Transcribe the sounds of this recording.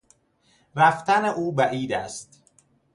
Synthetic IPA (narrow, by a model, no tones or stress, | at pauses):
ɾæft̪ʰæneʔuːbæʔiːd̪æst̪